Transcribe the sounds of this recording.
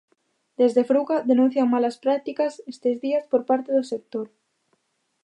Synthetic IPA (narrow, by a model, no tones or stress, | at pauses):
d̪ezðefɾuɣaðenũn̟θjaŋmalaspɾak̚t̪ikasest̪ezðiaspoɾpaɾt̪eðosek̚t̪oɾ